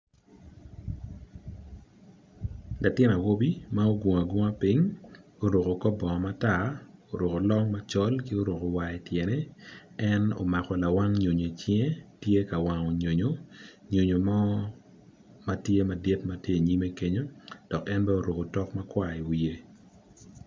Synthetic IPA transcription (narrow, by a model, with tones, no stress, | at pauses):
la˨tɪ˦na˨wo˦bi˦ma˦o˦ɡwo˨ŋa˨ɡʷo˦a˦pi˦ŋo˨ɾo˨ko˨kɔ˦bɔ˨ma˦ta˦˨o˨ɾo˨ko˨lɔ˦ŋma˦t͡ʃɔ˦lki˦o˦ɾo˨ko˨wa˨e˨tjɛ˨nɛ˦ɛ˦no̰˨ma˨kɔ˨la˨wa˦ŋɲo˨ɲe˨t͡ʃje˦tje˦ka˨wa˨ŋo˨ɲo˨ɲo˦ɲo˨ɲo˨mɔ˦ | ma˦tje˦ma˨de˦tma˦tje˦˨ɲi˦me˦ke˦ɲo˦d̥ɔ˨kɛ˦nbɛ˦o˨ɾo˨ko˨tɔ˦kma˦kwa˦i˨wi˨je˦